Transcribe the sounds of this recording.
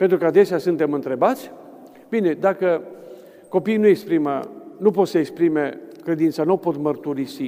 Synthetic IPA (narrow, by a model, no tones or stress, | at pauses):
pent̪ɾukəad̪e̞seasunt̪e̞mɨnt̪ɾebat̪sʲ | bine̞d̪akə | ko̞pijnuekspɾimə̰nupo̞t̪səekspɾime̞kɾe̞d̪int̪sanopo̞t̪mərt̪uɾisi